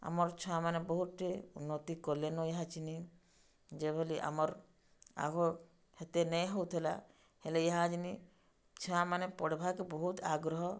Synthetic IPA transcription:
a̰mɔɾt͡ʃʰɔamanebɔɦut̪ʈeṵnːɔt̪ikɔlenɔjeɦat͡ʃini | d͡ʒebʱeliʔa̰mɔɾ | a̰ɡo | het̪enɛjɦɔwt̪ʰela̰ | helejeɦãd͡ʒini | t͡ʃʰɔamanepɔɽbʱakebɔɦut̪aɡɾɔɦɔ

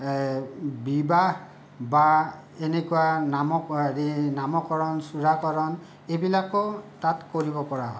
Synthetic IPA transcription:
bibah | ba | enekuwanamɔdinamɔkɔɹɔnsuɹakɔɹɔn | ebilakɔtatkoɹibɔpɔɹaɦɔj

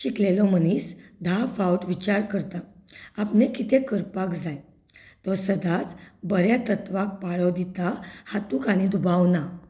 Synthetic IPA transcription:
ɕiklelɔmənisd̪ʱafawʈʋit͡ɕaɾkəɾt̪aapnekit̪ʰekəɾpakd͡zaj | t̪ɔsəd̪ʱat͡sbəɾjat̪ət̪ʋak̚paɭɔd̪it̪ahat̪ukaɽ̃id̪ubawna

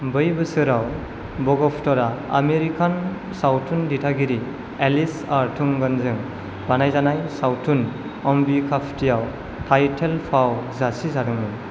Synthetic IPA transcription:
bɯjbɯsɯɾaw | bɔɡɔpʰtɔɾaa̰meɾikan | sawtʰunditʰaɡiɾi | elisaɾtʰuŋɡɯnzɯŋ | b̥anajzanajsawtʰun | ɔmbikʰapʰtijaw | tʰajtʰelpʰawzasizadɯŋmɯn

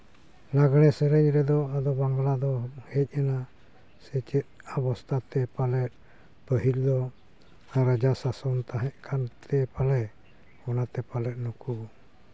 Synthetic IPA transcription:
laɡɽ̃ɛsɛɾɛɲɾɛd̪ɔad̪ɔbaŋɡlad̪ɔhɛc̪̚ˀɛna | sɛt͡ʃɛt̪̚abɔst̪at̪ʰɛpalɛʔ̪̚ | pəɦild̪ɔ | aɾad͡ʒasasɔnt̪aɦɛʔkʰant̪ʰɛpalɛ | ɔnat̪ɛpalɛʔ̪̚nuku

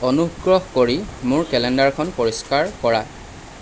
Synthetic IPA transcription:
ɔnuɡɹɔɦkoɹimʊɹkɛlɛndaɹkʰɔnpɔɹiskaɹkɔɹa

